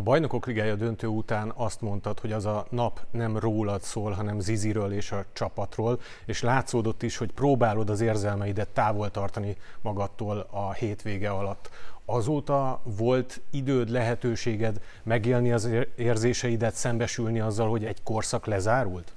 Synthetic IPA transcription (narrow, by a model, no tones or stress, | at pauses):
ɒbɒjno̞ko̞kliɡaːjɒd̪ø̞nt̪øːut̪aːnɒst̪mo̞nt̪ɒt̪ho̞ɟɒzɒnɒpnɛmroːlɒt̪soːlɦɒnɛmziziɾøːleːʃɒt͡ʃɒpɒt̪roːl | eːʃlaːt̪soːd̪o̞t̪ːiʃho̞cproːbaːlo̞d̪ɒzeːrzɛlmɛid̪ɛt̪ːaːvo̞lt̪ɒrt̪ɒnimɒɡɒt̪ːoːlɒheːt̪ʋeːɡɛɒlɒt̪ːɒzoːt̪ɒvo̞lt̪id̪øːd̪lɛɦɛt̪øːʃeːɡɛd̪mɛɡeːlniɒzeːrzeːʃɛid̪ɛt̪sɛmbɛʃylniɒzːɒlho̞ɟɛɟko̞rsɒklɛzaːɾult̪